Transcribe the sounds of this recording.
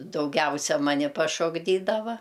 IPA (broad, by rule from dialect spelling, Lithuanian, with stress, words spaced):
dɐʊˈɡʲɛʊsʲɛ ˈmɑːnʲɪ pɐʃoːɡˈdʲiːdɐʋɐ